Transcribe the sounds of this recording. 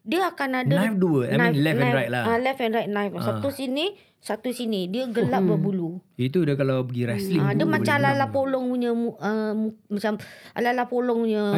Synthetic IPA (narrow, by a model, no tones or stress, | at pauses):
diəakanadnəajfduəanajnlɛfnɛaɾajt̪̚laalɛfɛnrajt̪̚najfsat̪usini | sat̪usinidiəɡəlaʔbəbuluit̪̬udəkalawbəɡiɾɛsliadiəmat͡ʃalalapolɔŋuɲəmuəmumat͡ʃama̰lalapolɔŋuɲə